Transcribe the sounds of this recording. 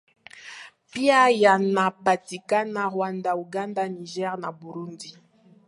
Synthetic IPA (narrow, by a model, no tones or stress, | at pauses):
piajanapatikanaʁwandauɡandaniʒɛʁnabuɾundi